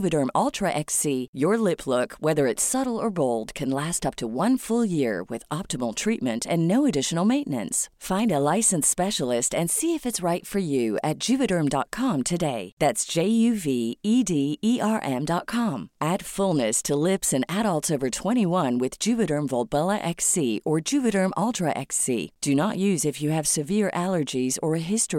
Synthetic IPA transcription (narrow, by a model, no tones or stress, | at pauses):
vɨɾɜ̃˞mɔlˠtʰɹ̥ɨʔɛksijə˞lɪpʰlʊkwɛðə˞ɨtsʌɾl̩ˠə˞boʊlˠd̚kʰɨ̃nlæstʌp̚tʰəwʌ̃nfʊlˠjɪɹwɪ̰ðɑp̚təml̩ˠtʰɹ̥it̚mɨ̃ntʰɨ̃nːoʊɨdɪʃn̩l̩ˠmẽɪ̃nnɨ̰̃nsfãɪ̃ndəlaɪsɨ̃n̩spɛʃl̩ˠɪstɨ̃nsiɨfɨtsɹaɪtfə˞jʉɨt̚d̥ʒ̥ʉvɨɾɜ̃˞mdɑ̰t̚kʰɑ̃mtʰɨdeɪðætsd̥ʒ̥eɪjʉviidiiʔɑɹʔɛ̃mdɑt̚kʰɑ̃mʔæd̥fʊlˠnɨstʰəlɪpsɨ̃næɾəlˠtsovə˞tʰw̥ɛ̃ɾ̃iwʌ̃nwɨðd͡ʒʉvɨɾə̃˞ɱvɔlˠbɛlˠəʔɛksiʔə˞d͡ʒʉvɨɾə̃˞mʔɔlˠtʰɹəʔɛ̰ksḭd̥ɨnəʔjʉzɨfjɨːv̥sɨvɪɹʔælˠə˞d͡ʒizə˞ɨɦɪstɹ̥i